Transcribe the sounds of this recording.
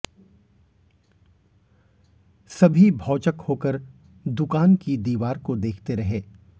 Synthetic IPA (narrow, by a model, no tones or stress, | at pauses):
sɐbʱibʱɔːt͡ʃəkhoːkəɾ | d̪ʊkaːnkid̪iːʋaːɾkod̪eːkʰt̪eɾɐɦeː